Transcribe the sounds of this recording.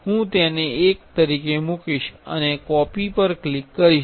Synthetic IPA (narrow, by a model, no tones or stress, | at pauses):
ɦũt̪eneekt̪əɾikemukiʃə̰nekɔpipəɾklikːəɾiʃ